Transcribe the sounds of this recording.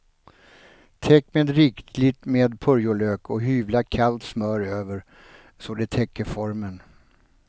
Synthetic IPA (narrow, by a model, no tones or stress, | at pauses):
t̪ʰɛkːmeːd̪ɾɪkt̪lɪt̪meːd̪pʰɵɾjʊɭøːkɔɦyːvlakʰalt̪smœːɾøːvəɾ | sɔd̪ɛt̪ʰɛkːəɾfɔɾmən